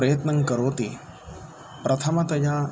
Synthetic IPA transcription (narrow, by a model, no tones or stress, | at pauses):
ɾɐjɐt̪nɐŋkɐɾoːt̪i | pɾɐt̪ʰɐmɐt̪ɐja